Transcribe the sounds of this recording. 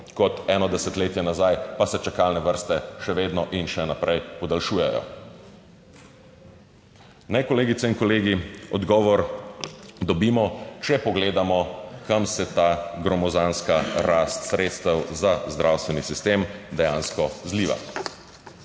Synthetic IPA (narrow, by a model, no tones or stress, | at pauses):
kɔt̪ɛnɔd̪ɛsɛt̪leːt̪jɛnazajpasɛt͡ʃakalnɛʋəɾst̪ɛʃɛʋeːd̪nɔʔinʃɛnapɾʔɛjpɔd̪alʃuːjɛjɔ̰ | nɛjkɔleːɡit̪sɛinkɔleːɡiɔd̪ɡɔːʋɔɾ | d̪ɔbiːmɔt͡ʃɛpɔɡleːd̪amɔkamsɛt̪aɡɾɔmɔzanskaɾast̪sɾeːt̪st̪ɛwzazd̪ɾʔawst̪ʋɛnisist̪eːmd̪ɛjaːnskɔzliːʋa̰